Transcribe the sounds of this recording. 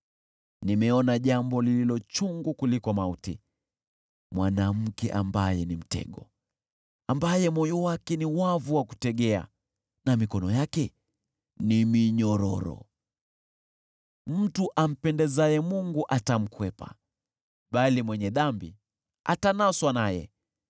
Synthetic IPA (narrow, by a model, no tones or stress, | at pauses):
nimɛɔnaʄambɔlililɔt͡ʃuŋɡukulikɔmautḭ | mwanam̩kɛ̰ʔa̰mbajɛnim̩tɛ̰ɠɔ | ambajɛmɔjɔwakɛniwavuwaku̥tɛɠɛa̰ | namikɔnɔjakɛ | nimiɲɔɾɔɾɔ̰ | m̩tuʔam̩pɛndɛzajɛmuŋɡuʔatam̩kwɛpa̰ | ɓalimwɛɲɛðambḭ | a̰tanaswanajɛ̰